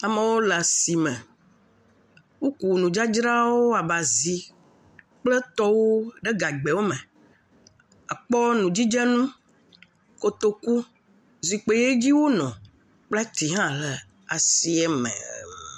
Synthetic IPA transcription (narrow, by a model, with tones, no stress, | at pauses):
a˨mẽ˨wo˦lɛ˨a˨si˨mɛ̃˨ | wo˦ku˨nũ˨d͡ʒa˦d͡ʒɾa˦wo˦a˨ba˨zi˨˦ | k͡plə˦t̪ɔ˦wo˦ɖe˦ɡa˨ɡ͡be˨wo˦mɛ˨ | a˨k͡pɔ˦nũ˨d͡ʑi˦d͡ʒɛ˦nũ˦ | ko˨t̪o˦ku˦ | zi˨k͡pe˨je˦d͡ʑi˦wo˦nɔ̃˨ | k͡pla˦t̪i˨ɦã˦lə˨ | a˨si˨ɛ˦mɛ̰̃˨˦